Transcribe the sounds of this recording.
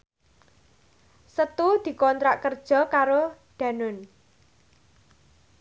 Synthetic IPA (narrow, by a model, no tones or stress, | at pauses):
sət̪ud̪̥i̤kɔnt̪ɾaʔkərd̥ʒ̥ɔ̤kaɾod̪̥ä̤nʊn